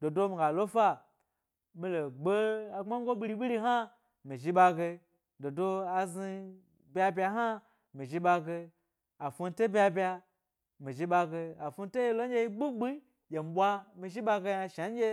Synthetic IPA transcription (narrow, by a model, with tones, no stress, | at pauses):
do˨do˦mi˨ɡa˨lo˦fa˦ | mi˧lo˨ɡ͡be˦a˨ŋ͡ma˦ŋ˦ɡo˦ɓi˧ɾi˧ɓi˦li˧ɦa˦ | mi˨ʒi˦ɓa˧ɡe˧ | do˨do˦a˧zi˧ | bʲa˧bʲa˧ɦa˦ | mi˨ʒi˧ɓa˧ɡe˧ | a˨fu˧n˦to˦bʲa˧bʲa˧ | mi˨ʒi˧ɓa˧ɡe˧a˨fu˧n˦to˦je˧lo˦ɲ˦ɡʲe˧ji˦ɡ͡bu˦ɡ͡bi˦ | je˨m̩˨ɓʷa˦mi˧ʒi˦ɓa˧ɡe˧ja˧ʃa˨˦ɡʲe˦